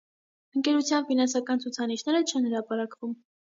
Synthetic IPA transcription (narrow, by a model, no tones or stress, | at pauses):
əŋkɛɾut͡sʰjɑnfinɑnsɑkɑnt͡sʰut͡sʰɑniʃnɛɾət͡ʃʰɛnhəɾɑpɑɾɑkvum